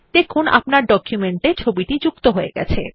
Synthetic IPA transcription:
d̪̥ekʰunʔa̰pnaɾɖɔkʰjumeɳʈet͡ɕʰobiʈid͡ʑukt̪oɦoeɡɛ̰t͡ɕʰḛ

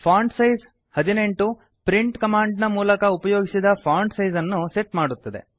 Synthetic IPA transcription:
pʰaːɳɖsɐjz | hɐd̪ine̞ɳʈu | pɾiɳʈkɐmaːɳɖnɐmuːlɐkɐupɐjoːɡisid̪ɐpʰaːɳɖsɐjzɐnːuseʈmaːɽut̪ːɐd̪e̞̰

